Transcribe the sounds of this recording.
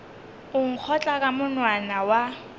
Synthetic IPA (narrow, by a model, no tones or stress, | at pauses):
ʊŋ̩k͡xʰɔt͡ɬʼakʼamʊnwanawa